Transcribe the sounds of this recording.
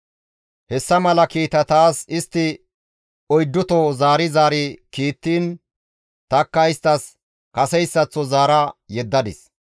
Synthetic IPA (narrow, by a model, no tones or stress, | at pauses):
hɛsːɐmɐlɐkiːt̪ɐt̪aːsɪst̪ːɪ | ɔjd̪ːʊt̪ɔzaːɾɪzaːɾɪkiːt̪ːiːn | t̪ɐkːɐjɪst̪ːɐs | kɐsɛjsːɐt͡sːɔzaːɾɐjɛd̪ːɐd̪ɪ̰s